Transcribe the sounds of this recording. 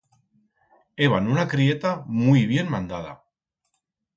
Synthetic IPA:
eβ̞anunakɾie̞t̪amuiβ̞je̞nmand̪að̞a̰

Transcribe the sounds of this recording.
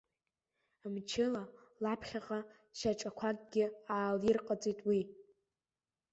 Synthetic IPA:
mt͡ʃʰɪlalapʰχʲaqʼa | ʃaʈ͡ʂʼakʷʰaɡ̚ʲʼɡʲɪaːlirqʼad͡zitʼwi

